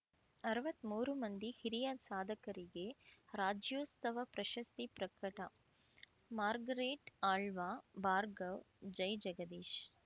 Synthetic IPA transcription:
ɐɾɐʋɐt̪ːmuːɾumɐnd̪ihiɾijaːsaːd̪ʱɐkɐɾiɡeɾaːd͡ʒjoːst̪ɐʋɐpɾɐʃɐst̪ipɾɐkɾɐʈɐ | maːɾɡɐɾeːʈaːɭʋaːbaːɾɡɐʋ | d͡ʒɐjd͡ʒɐɡɐd̪eːʃ

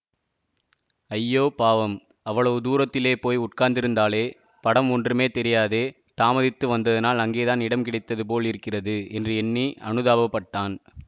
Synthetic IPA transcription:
ɐjːoːpaːʋɐm | ɐʋːɐɭɐʋɯd̪uːɾɐt̪ːɪleːpoːjʊʈ̚kaːɾnd̪ɪɾɯnd̪aːleː | pɐɽɐmɔndrɯmeːt̪ɛɾɪjaːðeː | t̪aːmɐðɪt̪ːɯʋɐnd̪ɐðɪnaːlɐŋɡeːðaːnɪɽɐmkɪɽɐɪt̪ːɐðɯp̬oːɭɪɾɯkːɪrɐðɯɛndrɯɛnːiɐ̰ɳɯðaːʋɐpːɐʈːaːn

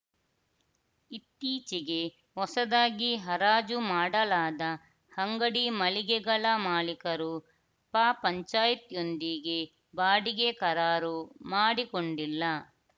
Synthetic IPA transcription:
it̪ːiːt͡ʃiɡe̞ | hɔsɐd̪aːɡiɦɐɾaːd͡ʒumaːɽɐlaːd̪ɐ | hɐŋɡɐɽimɐliɡɛɡɐlɐmaːlikɐɾu | paːpɐɲt͡ʃaːjit̪jo̞nd̪iɡe | baːɽiɡekɐɾaːɾumaːɽikoɳɖilːɐ

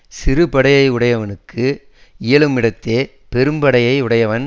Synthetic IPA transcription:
sɪɾɯpɐɽɐjɐɪʊɽɐjɐʋɐnɯkːɯ | ɪjɐɭɯmɪɽɐt̪ːeː | pɛɾɯmbɐɽɐjɐɪʊɽɐjɐʋɐn

